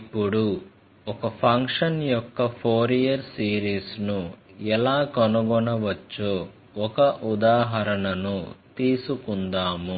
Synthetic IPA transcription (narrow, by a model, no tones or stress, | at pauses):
pːuɽu | ɔkɐpʰɐŋkʂɐnjɔkːɐpʰoːɾijɐɾsiːɾiːsnu | ɛlaːkɐnuɡɔnɐʋɐt͡ʃːoː | ɔkɐʔud̪aːɦɐɾɐnɐnut̪iːsukund̪aːmu